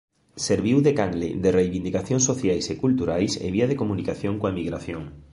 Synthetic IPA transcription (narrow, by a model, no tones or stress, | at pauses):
seɾβiwðekaŋlḛðerejβind̪ikaθjõŋsoθjajsekult̪uɾajsḛβiað̞ekomũnikaθjõŋkoaemiɣɾaθjoŋ